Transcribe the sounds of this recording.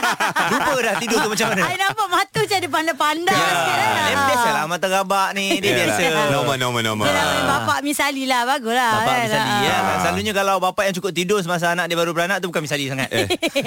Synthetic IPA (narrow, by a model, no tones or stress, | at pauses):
lupəlaht̪idʊt̪uhmat͡ʃamːanaainapaʔmat̪ut͡ʃadip̬andapandajalɛmdɛsajlamat̪aɣabaʔnidiədiasənamanamanamabapaʔmisalilahbaɡulabapaaʔisalijaasəlaluɲakalawbapaʔjaŋt͡ʃukʊp̚t̪idos̬əmas̬aːnãʔdiəbaɾubəɾanãʔt̪ubukanmisalisaŋat̪